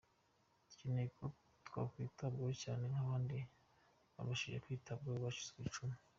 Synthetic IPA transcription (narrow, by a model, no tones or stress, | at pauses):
cineko | twa̰kwitab̚ɡaocaːnenaβaːndi | βa̰βaʃiʒekwiːtʰab̚ɡaβat͡ʃu̥zkit͡ʃumi̥